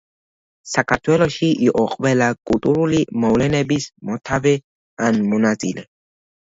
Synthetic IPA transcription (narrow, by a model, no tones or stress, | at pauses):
sakʰaɾt̪ʰwɛlɔʃiʔiʔɔqʼvɛlakʼult̪ʼuɾulimɔvlɛnɛbismɔt̪ʰavɛ | anmɔnasʼilɛ